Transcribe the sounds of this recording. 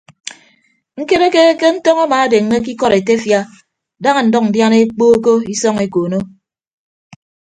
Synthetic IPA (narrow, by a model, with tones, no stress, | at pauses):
ŋ̩˦ke˦ɾe˦ke˦ke˦n̩˦tɔ˦ŋa˦maː˨a˦de˨ŋːe˦ki˦kɔ˦ɾe˨te˦fja˦ | da˦ŋa˨n̩˨˦dɔ˦k̚n̩˨dja˦ne˦k͡poː˦ko˦i˦sɔ˦ŋe˨koː˨no˦